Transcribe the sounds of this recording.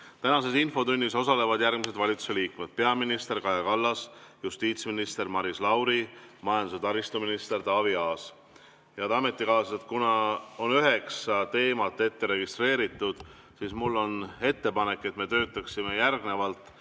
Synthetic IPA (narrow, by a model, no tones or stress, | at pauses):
t̪ænɑse̞sinfo̞t̪unʲːiso̞sɑle̞vɑd̪̥jærɡ̥mise̞d̪̥vɑlʲit̪su̥se̞liːkmed̪̥̚pe̞ɑminist̪e̞rkɑjɑkɑlːɑsjust̪iːt̪sminist̪e̞rmɑɾislɑwɾimɑjɑnd̪use̞t̪ɑɾist̪uminist̪e̞rt̪ɑviɑːs | jɑt̪ɑme̞t̪ːˑikɑːset̪kunɑo̞nyɦe̞kst̪e̞ːmɑt̪ˑːe̞t̪ːe̞ɾe̞ɡ̥ist̪re̞ːɾit̪ːˑud̪̥ | siːsmulːo̞ne̞t̪ːe̞pɑne̞kːˑe̞t̪ːme̞t̪ø̞ːt̪ːˑɑksime̞jærɡne̞vɑlt̪ˑ